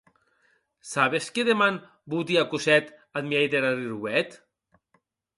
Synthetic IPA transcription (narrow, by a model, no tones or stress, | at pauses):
saβeskeðeman | but̪̬iakusɛt̪at̪miɛjd̪eɾariɾwɛt̪